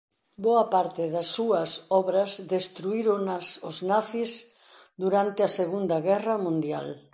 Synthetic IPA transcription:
boɐpaɾt̪ɪðɐsːuɐsɔβɾɐzðest̪ɾuiɾʊnɐsʊznaθisd̪uɾant̪ɪɐseɣund̪ɐɣɛrɐmũnd̪jal

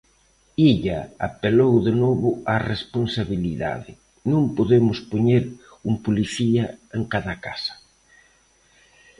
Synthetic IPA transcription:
iʎaa̰pelowðenoβʊaresponsaβiliða̰ðɪ | nõŋpoðemʊspoɲeɾ | umpoliθiaeŋkaðaka̰sḁ

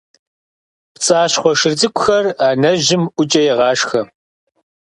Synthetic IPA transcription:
pt͡sʼaːɕχʷɔʂɨrdɨkʷʰʼʊxɐraːnɐʑɪmʔʷʊt͡ʃʼɐjɛʁɑːʂxɐ

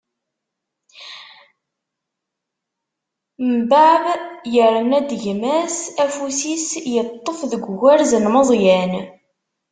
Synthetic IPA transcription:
mbaʕβjəɾnæd̪ʝmæsæfusisjət̪ˤːofðəɡʷɣæɾzənməzˤjæn

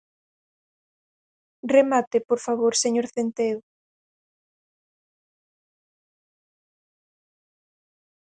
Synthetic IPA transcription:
remat̪epoɾfaβoɾseɲoɾθent̪eʊ

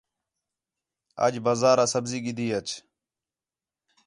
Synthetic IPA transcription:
ə̰d͡ʒbaːzaːɾaːsəbziːɡɪd̪iːət͡ʃ

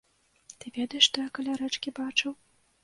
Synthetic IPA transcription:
t̪ɨvʲɛd̪ɐjɛʂʂt̪ɔjakɐlʲaɾɛt͡ʂkʲibat͡ʂɨw

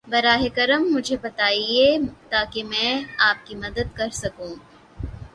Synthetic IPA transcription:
bɐɾaːɦekɐɾəmːʊd͡ʒʱebɐt̪aːiet̪aːkemɛ̃ːaːp̚kimɐd̪əd̪̚kɐɾsɐkũː

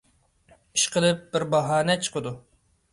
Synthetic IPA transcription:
i̥ʃqʰəlˠɨp̚bɪɾbɑɦɑːnɛt͡ʃʰə̥qʰəd̪u

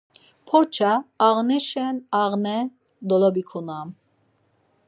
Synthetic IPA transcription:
pʰɔɾt͡ʃʰaːʁnɛʃɛnaʁnɛ | d̪ɔlɔbikʰunam

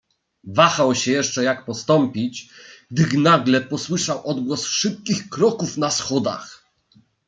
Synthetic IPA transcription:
vaxawɕɛjɛʂt͡ʂɛjakpɔst̪ɔmpʲit͡ɕɡd̪ɘxnaɡlɛpɔswɘʂawʔɔd̪ɡwɔsfʂɘp̚kʲixkɾɔkufnasxɔd̪a̰x

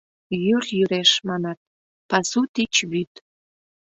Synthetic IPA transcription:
jyrjyɾeʃmɑnɑt̪̚ | pɑsut̪it͡ɕβyt̪

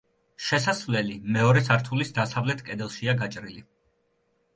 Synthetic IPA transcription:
ʃɛsasvlɛlimɛɔɾɛsaɾt̪ʰulisd̪asavlɛt̪ʰkʼɛd̪ɛlˠʃiaɡat͡ʃʼɾili

